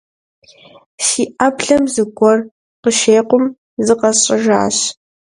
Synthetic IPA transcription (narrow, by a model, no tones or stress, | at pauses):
siːʔapɬɐmzɨɡʷɔr | qəʃeːqʷʊm | zɨqɐɕʼɪʒa̰ːɕ